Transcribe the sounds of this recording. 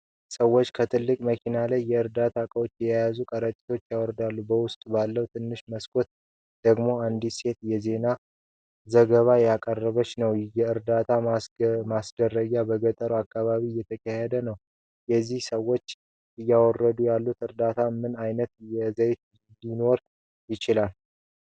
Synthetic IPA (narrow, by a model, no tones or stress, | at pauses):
səwːot͡ʃːkʰət̪ʰɨlːɨkʼməkʰinalajːɛɨɾd̪at̪ʰakʼəwot͡ʃːɛjajazukʼəɾət͡ʃʼi̥t̪ʰo̞t͡ʃːjawɔɾd̪alːubəwʊst̪ʼbalːəwt̪ʰɨnːɨʃməskʼo̞t̪̚ | d̪̥əɡmo̞and̪ise̞t̪jɛze̞na | zəɡəβajakʼərːəβət͡ʃːnəwjɛɨɾd̪at̪ʰamasd̪ərːəɡabəɡət̪ʼəɾəakʰːaβaβijɛt̪ʰəkʰəhɛd̪ənəw | jɛzːihsəwːo̞t͡ʃː | ʔɨjːawɔrːəd̪ujalːut̪ɨɾd̪at̪ʰamɨnajnət̪jɛzəjt̪ | jino̞ɾ | jɪt͡ʃɪlal